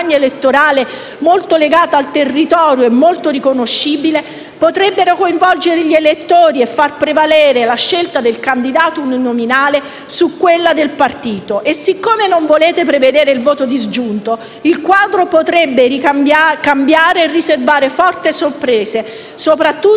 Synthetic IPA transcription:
ɲːaelet̪ːoɾaːle | molt̪oleɡaːt̪aalt̪erːit̪ɔːɾjoɛmːolt̪orikonoʃːiːbile | pot̪ɾɛbːeɾokoiɱvɔld͡ʒeɾeʎelet̪ːoːɾiefːarpɾevalɛːɾelaʃːelt̪ad̪elkand̪id̪aːt̪ouninominaːle | sukːwelːad̪elpart̪iːt̪oʔesːikːoːmenoɱvoleːt̪epɾeved̪eːɾeilvoːt̪od̪izd͡ʒunt̪o | ilkwaːd̪ɾopot̪ɾɛbːeɾikamakambjaːɾeːrːiservaːɾefɔrt̪esorpɾeːse | sopɾat̪ːu

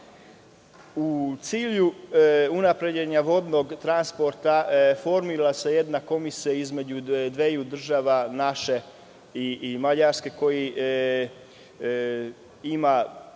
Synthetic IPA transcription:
ut̪siːʎuunapɾe̞d͡ʑeɲaʋo̞d̪no̞ɡt̪ɾanspo̞ɾt̪afo̞ɾmiɾalase̞je̞d̪nako̞misijaizme̞d͡ʑud̪ʋejud̪r̩ʒaːʋanaʃe | imaʎaɾske̞ko̞ji | ima

